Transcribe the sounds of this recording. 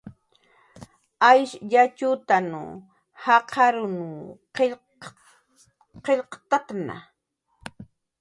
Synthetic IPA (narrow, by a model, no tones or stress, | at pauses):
ajʃʎat͡ʃʊt̪anṵ | hɑqʰɑɾʊnuq | qeʎqt̪at̪na̰